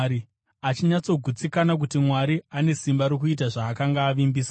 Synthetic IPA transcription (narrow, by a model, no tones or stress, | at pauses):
ɾi | at͡ʃiɲat͡so̞ɡʱut͡sikanak̬utimwaɾiane̞simbaɾokuit̬aʐaːkaŋɡaːʋimbiːsa